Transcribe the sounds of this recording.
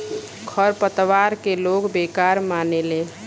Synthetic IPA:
kʰəɾpət̪ʋaɾkelokbekaɾmaːneleː

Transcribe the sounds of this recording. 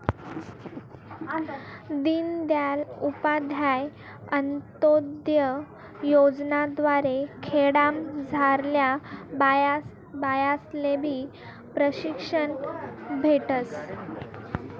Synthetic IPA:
d̪iːnd̪jalupad̪ʱjaj | ənt̪od̪jə | jod͡znad̪ʋaɾekʰeɽamd͡zʱaɾljabajas | bajaslebʱiː | pɾəɕikʂənbʱeʈəs

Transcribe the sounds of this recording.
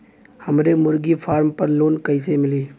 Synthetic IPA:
hɐmɾemʊɾɡifʰaːɾmpɐɾloːnkɐɪs̬emɪliː

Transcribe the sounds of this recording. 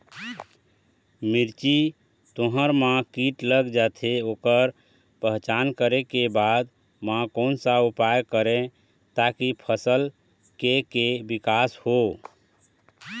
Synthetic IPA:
miɾt͡ʃi | t̪oɦəɾmãkiʈləɡd͡ʒat̪ʰeokəɾ | pəɦt͡ʃankəɾekebad̪ | mãkonsaupajkəɾẽ | t̪akipʰəsəl | kekebikasho

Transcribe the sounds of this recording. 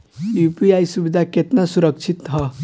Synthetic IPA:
juːpiaːjsubid̪ʱaket̪nasuɾəkʃʰɪt̪ɦɐ

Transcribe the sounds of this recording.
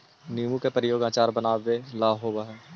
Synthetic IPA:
nimukepɾɪjoːɡãːt͡ʃaːɾbənaːʋelaːɦoːbaɦɛː

